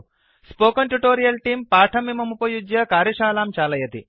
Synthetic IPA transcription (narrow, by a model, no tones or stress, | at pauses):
spoːkɐnʈuʈoːɾijɐlʈiːmpaːʈʰɐmimɐmupojud͡ʒjɐkaːɾiʃaːlaːmt͡ʃaːlɐjɐt̪ḭ